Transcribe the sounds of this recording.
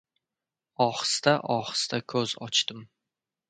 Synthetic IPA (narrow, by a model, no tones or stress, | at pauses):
ɒχɨ̥st̪aʔɒχɨ̥st̪akʲʰɵzɒ̰t͡ʃt̪ɪm